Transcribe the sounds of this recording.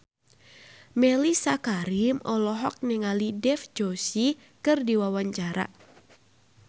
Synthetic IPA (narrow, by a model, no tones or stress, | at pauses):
mɛlisakaɾimɔlɔɦɔ̰k̚nɛŋalidɛfd͡ʒosi | kɨrdiwawaɲt͡ʃaɾa̰